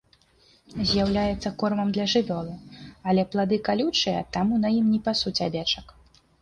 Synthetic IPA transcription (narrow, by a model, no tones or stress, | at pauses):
zʲjawlʲajɛt̪sːɐkɔrmɐmd̪lʲɐʐɨvʲɔlˠɨɐlʲɛplˠad̪ɨkalʲut͡ʂɨjɐ̰t̪amunɐjimnʲipasut͡sʲavʲɛt͡ʂɐk